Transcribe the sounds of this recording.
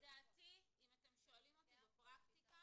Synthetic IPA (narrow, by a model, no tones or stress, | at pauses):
d̪at̪iimat̪emʃo̞alimot̪eapʁakt̪ika